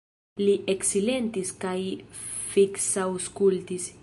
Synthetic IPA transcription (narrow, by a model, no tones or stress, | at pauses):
liʔeksilent̪iskajfiksawskult̪is